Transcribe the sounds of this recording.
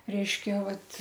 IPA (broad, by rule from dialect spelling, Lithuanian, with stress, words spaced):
ˈrʲɛɪʃʲkʲɛ ˈʋɐt